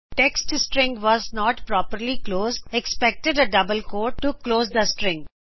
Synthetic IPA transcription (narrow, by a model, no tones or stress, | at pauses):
ʈɛksʈsʈɾɪ̃ŋɡʋɔːznɔːʈpɾɔːpəɾlikloːzɖekspɛk̚ʈeɖəɖʌbəlkoːʈːukloːzd̪əsʈɾɪ̃ŋɡ